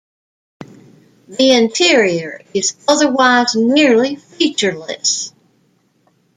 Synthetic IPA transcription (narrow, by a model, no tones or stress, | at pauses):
ðiɪ̃ntʰɪɹiə˞ɪzʌðə˞waɪznɪɹlifit͡ʃə˞lɨ̰s